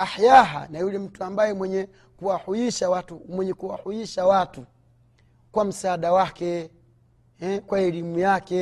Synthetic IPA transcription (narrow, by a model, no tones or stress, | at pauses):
ahjaɦa̰najulɛm̩tuambajɛmwɛɲɛ | kuwahuiʃawatumwɛɲɛkuwahujiʃawatu | kwam̩saːɗawakɛ | ɛkwaɛlimujakɛ